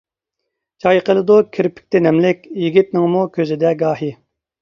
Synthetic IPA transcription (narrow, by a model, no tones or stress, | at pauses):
d͡ʒɑjqʰəlˠɨd̪ukʲʰiɾpʰɪ̥k̚ʲt̪ɛnɛmlɪkʲjiɡʲit̪̚nɪŋmukʲʰøzɪd̪ɛɡɑːɦi